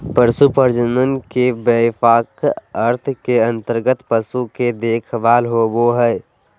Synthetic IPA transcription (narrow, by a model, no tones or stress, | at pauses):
pəɾsupəɾd͡ʒənənkebəfaːkəɾt̪ʰkeə̃nt̪əɾɡət̪pəsuked̪eːkʰʋaːlɦoboɦɛ